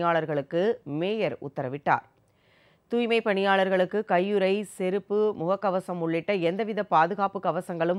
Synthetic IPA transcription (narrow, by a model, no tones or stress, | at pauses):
jaːɭɐɾɣɐɭɯkːɯmeːjɐɾʊ̰t̪ːɐɾɐʋɪʈːa̰ːɾ | t̪uːjmɐɪpːɐɳɪjaːɭɐɾɣɐɭɯkːɯkɐjːɯɾɐɪsɛɾɯpːɯmʊɣɐkːɐʋɐsɐmʊɭːɪʈːɐɛnd̪ɐʋɪðɐpaːðɯɣaːpɯkɐʋɐsɐŋɡɐɭɯm